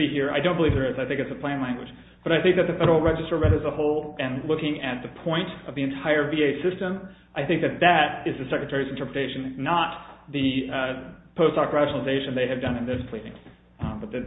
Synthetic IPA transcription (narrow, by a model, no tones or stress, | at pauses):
iɦiɹa̰ɪdõʊ̃nbəlivðə˞ɨzaɪθɪ̃ŋkɨtsɨpʰl̥æ̃nlæ̃ŋɡwɨ̰̥d͡ʒ | b̥ʌɾaɪθɪ̃ŋk̚ðɨt̪̚ðɨfɛɾə˞l̩ˠɹɛd͡ʒɨstə˞ɹɛɾɨzəhoʊlˠɨ̃nlʊkɪ̃ŋɨt̪̚ðɨpʰɔ̃ɪ̃ntʌvðiɨ̃ntʰaɪə˞vieɪsɪstə̃m | ʔaɪθɪ̃ŋk̚ðɨt̪̚ðɨɾɨzðɨsɛkɹɨtʰɛɹizn̩tʰɜ˞pɹətʰeɪʃɨ̃nːət̪̚ðɨ | pʰoʊstɑkɹæʃn̩l̩ˠəzeɪʃɨ̃nðeɪɨvdʌ̃nɨ̃nðɪspʰl̥iɾɪ̰̃ŋ | bʌt̪̚ðɨ